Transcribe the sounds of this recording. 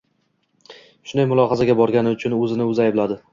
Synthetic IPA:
ʃʊnd̪ajmʊlˠɒhazaɡʲabɒɾɡʲanɪʊt͡ʃʰʊnɵzɪnɪɵzajblad̪ɪ

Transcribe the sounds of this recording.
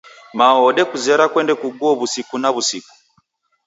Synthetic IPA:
maɔɗɛkuzɛɾakwɛndɛkuɡuɔβusikunaβusiku̥

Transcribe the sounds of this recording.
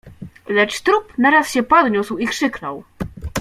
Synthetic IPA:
lɛt͡ʂt̪ɾupnaɾasɕɛpɔd̪ɲuswikʂɘknɔw

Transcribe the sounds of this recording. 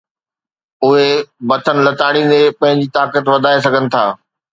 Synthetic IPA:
ʊɦebɐt̪ʰənɪ̆lɐt̪aːɽĩnd̪epɐ̃ɦɪ̃ɲ̆d͡ʑiːt̪aːkət̪ʋɐd̪ʱaːes̬ɐɡʱənɪ̆t̪ʰaː

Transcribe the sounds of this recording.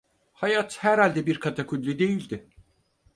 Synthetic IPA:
hajat̪hæɾhalʲd̪ɛbiɾkʰat̪ʰakʰud̪lʲyd̪e̞jilʲd̪ɪ

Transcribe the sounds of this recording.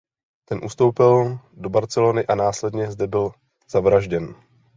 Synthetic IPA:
t̪ɛnʔṵst̪o̞wpɪl | do̞baɾt͡sɛlonɪʔanaːslɛdɲɛzdɛbɪl | z̥avɾaʒɟɛn

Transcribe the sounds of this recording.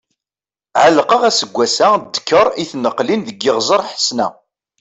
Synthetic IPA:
ʕəlqəʁæsəɡʷːæsæd̪ːəkʰːəɾˤiθnəqːlinðəɡːɪʁzəɾˤħə̥snæ

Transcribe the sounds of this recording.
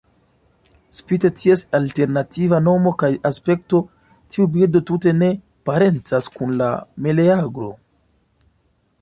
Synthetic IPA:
spite̞tʰiesalte̞ɾnativano̞mo̞kajaspe̞k̚to̞ | tiubildo̞tute̞ne̞ | paɾe̞nt͡saskunla̰me̞leaɡɾo̞̰

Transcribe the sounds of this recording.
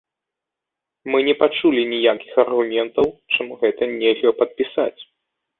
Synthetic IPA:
mɨnʲɛpat͡ʂulʲinʲijakʲixɐrɣumʲɛnt̪ɐwt͡ʂamuɣɛt̪ɐnʲɛlʲɐpɐt̪̚pʲisa̰t͡sʲ

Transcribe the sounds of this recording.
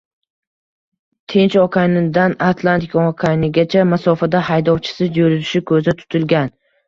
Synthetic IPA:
t̪ʰent͡ʃɒkʰajnɪd̪anat̪ʰlˠant̪ʰɪkɒkʰajnɪɡʲat͡ʃʰamasɒfad̪ahajd̪ɒwt͡ʃʰɪ̥sɪd͡ʒoɾɪzɪʃɪkʰɵzɪt̪ʰʊ̥t̪ʰɪlɡʲan

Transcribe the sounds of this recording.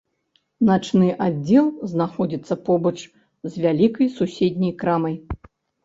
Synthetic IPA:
nat͡ʂnɨʔadd͡zʲɛlˠznaxɔd͡zʲit̪sːɐpɔbɐt͡ʂ | zʲvʲalʲikɐjsusʲed̪ʲnʲɐjkɾamɐj

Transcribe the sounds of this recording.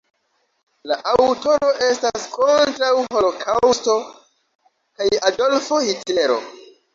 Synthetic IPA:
laʔawto̞ɾo̞ʔe̞staskʰo̞ntɾawɦo̞lo̞kʰawsto̞ | kajado̞lfo̞hitle̞ɾo̞̰

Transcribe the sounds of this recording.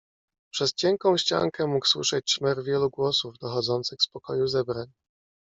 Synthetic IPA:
pʂɛst͡ɕɛŋkɔ̃w̃ɕt͡ɕa̰ŋkɛmukswɘ̰ʂɛt͡ɕʂmɛɾvʲjɛluɡwɔsuvd̪ɔxɔd̪zɔnt̪sɘxspɔkɔjuzɛbɾaɲ

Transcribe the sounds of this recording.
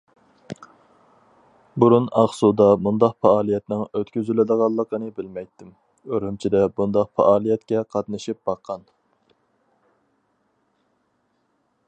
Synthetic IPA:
buɾunɑχsud̪ɑmund̪ɑqfɑɑːlˠijɛt̪nɪŋøt̪kʲyzylɪd̪əʁɑlˠːəqənɨbɪlmɛjt̪ʰːɪm | øɾhymt͡ʃʰid̪ɛbund̪ɑqfɑ̰ʔɑːlˠijɛt̪kʲɛqʰɑt̪nɨʃip̚bɑqʰːɑn

